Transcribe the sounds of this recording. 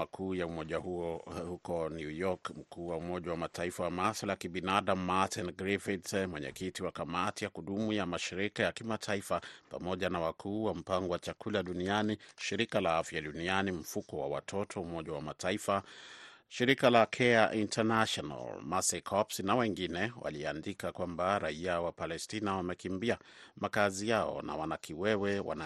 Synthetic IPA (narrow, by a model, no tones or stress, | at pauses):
akʰuːjaumɔʄahuɔhukɔnjujɔkm̩kuːwaumɔʄawamatʰaifawamasalakiɓinaɗam̩ːatinɡɾifitmwɛɲɛ̰kitiwakamatijakuɗumujamaʃiɾikajakimatʰaifapa̰mɔʄanawakʰuːwam̩paŋɡɔwat͡ʃakʰulaɗunianiʃiɾikalaafjaɗunianim̩fukɔwa̰wa̰tʰɔtʰɔumɔʄawamataifa | ʃiɾikalakʰɛaʔintʰanaʃɔna̰lmasɛkʰɔpsnawɛŋɡinɛwʔa̰liandikakwambaɾaiawapalɛstinawamɛkimbiamakazijaɔ̰na̰wanakiwɛwɛwa̰na